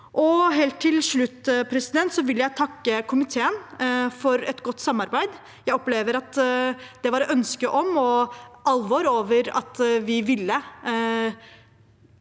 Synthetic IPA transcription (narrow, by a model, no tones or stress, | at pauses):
ʔɔɦeːlt̪ʰːɪlʂɭʉt̪ːpʰɾɛsɪd̪ɛnt̪sɔʋɪləjæɪt̪ʰɑkːəkʰʊmɪt̪ʰeːənfɔɾɛt̪ɡɔt̪ːsɑmːɑɾbæɪd̪ | jæɪɔpleːʋəɾɑt̪d̪̥ɛʋɑɾɛt̪œnskəʔɔmɔʔɑlʋoːɾoːʋəɾɑ̰t̪ʋɪʋɪlːə